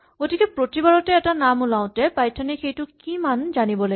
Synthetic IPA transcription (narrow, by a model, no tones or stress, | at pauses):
ɡ̥otikɛpɹotibaɹɔtɛːtanamulaʊ̃tɛpajtʰanixejtʊkimanzanibɔla